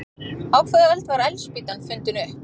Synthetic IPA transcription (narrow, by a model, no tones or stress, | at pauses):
awkʰvɛðalt̪vaɾajlspiːt̪anfʏnt̪ʏnʏh